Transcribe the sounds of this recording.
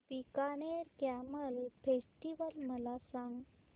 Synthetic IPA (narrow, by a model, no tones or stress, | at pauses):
pikaneɾkæməlfesʈiʋəlməlasãŋɡ